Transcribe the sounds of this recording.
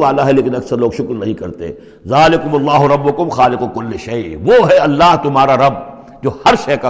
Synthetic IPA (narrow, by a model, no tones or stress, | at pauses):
ʋaːlaɦɛleːkɪnɐksɐɾloːɡʃʊklnɐɦĩkɐɾt̪eɛ̰̃ | zaːlɪkʊmɐlːaːɦʊɾɐbːʊkʊmxaːlɪqʊkʊlːɪʃɐɪʋoːɦɛɐlːaːɦt̪ʊmɦaːɾaɾɐb | d͡ʒoːhɐɾʃɐːka